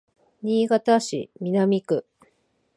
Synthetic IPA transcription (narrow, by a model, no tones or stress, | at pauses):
ɲʲiːɡat̪aɕḭmʲinamʲikɯ̟